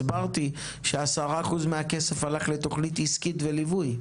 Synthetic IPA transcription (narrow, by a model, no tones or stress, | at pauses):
baʁt̪i | ʃeasaʁaːχuzmeakese̞falaχle̞t̪o̞χnit̪iskitve̞livuj